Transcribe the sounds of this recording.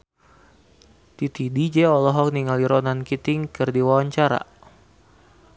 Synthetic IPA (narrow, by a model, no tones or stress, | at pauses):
t̪it̪idid͡ʒɛɔlɔɦɔk̚niŋaliɾɔnankit̪ɪŋkɨrdiwawaɲt͡ʃaɾa̰